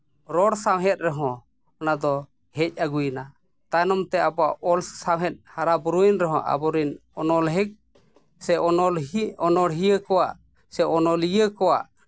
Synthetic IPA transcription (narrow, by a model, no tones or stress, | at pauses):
ɾɔɽsawɦɛt̪̚ɾɛɦɔ̃ | ɔnad̪ɔ | hɛc̚ˀaɡujna | t̪anɔmt̪ɛabɔaʔɔlsawɦɛt̪̚haɾabuɾuinɾɛɦɔ̰̃ʔa̰bɔɾinɔnɔlɦɛk̚ | sɛɔɔlɔnɔɽɦijəkɔwa̰ʔ | sɛʔɔnɔlijəkɔwa̰ʔ